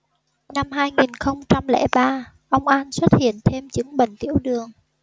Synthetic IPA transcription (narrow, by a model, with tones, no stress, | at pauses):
na˧mɦaː˧jŋi˨˩nxə˧wŋ͡mt͡ɕa˧mlɛ̰˧˥ɓaː˧ | ʔə˧wŋ͡mʔa˧nswə˦˥t̚hḭ˧˨ənt̪ʰe˧mt͡ɕɨ˨˦ŋɓə̰˧˨ŋ̟t̪ḭ˧˩əwɗɨ˨˩əŋ